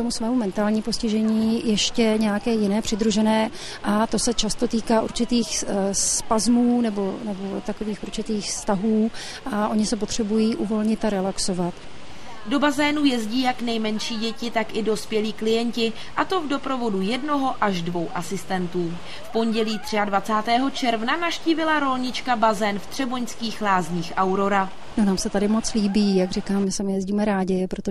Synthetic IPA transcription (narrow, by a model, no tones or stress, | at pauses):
t̪omusvɛːmumɛnt̪aːlɲiːmpo̞scɪʒɛɲiːjɛʃcɛɲɛjakɛːjɪnɛːpr̥ɪd̪ɾuʒɛnɛː | ʔat̪o̞sɛt͡ʃast̪o̞t̪iːkaʔṵɾt͡ʃɪt̪iːxspazmuːnɛbo̞nɛbo̞t̪ako̞viːxʔuɾt͡ʃɪt̪iːxfst̪aɦuː | ʔaʔo̞ɲɪsɛpo̞t̪r̝̥ɛbujiːʔuvo̞lɲɪt̪aɾɛlakso̞vat̪ | do̞bazɛːnujɛzɟiːjaknɛjmɛnʃiːɟɛcɪt̪akʔɪdo̞spjɛliːklɪjɛɲcɪ | ʔat̪o̞vdo̞pɾo̞vo̞dujɛdno̞ɦo̞ʔaʒdvo̞wʔasɪst̪ɛnt̪uː | fpo̞ɲɟɛliːt̪r̝̥ɪadvat͡saːt̪ɛːɦo̞t͡ʃɛɾvnanaʃciːvɪlaɾo̞lɲɪt͡ʃkabazɛːnft̪r̝̥ɛbo̞ɲskiːxlaːzɲiːxʔawɾo̞ɾa | nonaːmsɛt̪adɪmott͡sliːbiːjaɡrikaːmmɪsɛmɪjɛzɟiːmɛɾaːɟɪpɾot̪o